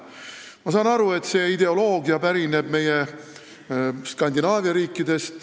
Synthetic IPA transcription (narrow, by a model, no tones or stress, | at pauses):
mɑsɑːnɑɾue̞t̪se̞ːid̪̥e̞o̞lo̞ːɡiɑpæɾine̞b̥me̞je | skɑnʲd̪inɑːvjɑɾiːkːˑid̪e̞st̪